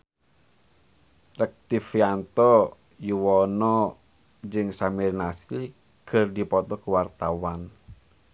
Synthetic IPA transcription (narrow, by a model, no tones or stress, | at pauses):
rək̚t̪ifjant̪ɔ | juwɔnɔ | d͡ʒɨŋsamirnasi | kɨrdipɔt̪ɔkuwart̪awan